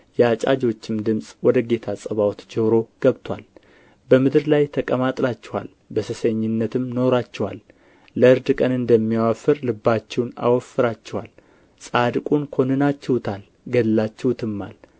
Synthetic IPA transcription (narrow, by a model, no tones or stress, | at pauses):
jɛat͡ʃʼad͡ʒo̞t͡ʃːɪmd̪ɨmsʼwɔd̪əɡe̞t̪ʰasʼəβawt̪d͡ʒəɾo̞ɡ̥əβt̪ʰwa̰l | bəmɨd̪ɨɾlajt̪ʰəkʼəmat̪ʼlat͡ʃːɛwa̰l | bəsɨseɲːɪnːət̪ʰɨmno̞ɾat͡ʃːɛwa̰lː | əɨɾd̪kʼənɨnd̪əmːijawafɨɾlɨbːat͡ʃːɛwna̰wɔfːɨɾat͡ʃːɛwal | sʼad̪kʼunkʰo̞nɨnat͡ʃːɛwt̪ʰal | ɡəlːat͡ʃːɛwt̪ʰɨmːa̰l